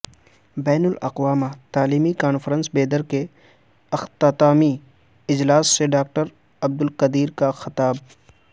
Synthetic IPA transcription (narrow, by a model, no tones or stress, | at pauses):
bɛːnʊlɐ̰qwaːmat̪aːliːmikaːnfɾə̃nsbeːd̪əɾke | ɐxt̪aːt̪aːmi | ɪd͡ʒlaːsːeɖaːk̚ʈəɾ | ɐb̚d̪ʊlqɐd̪iːɾkaxɪt̪aːb̚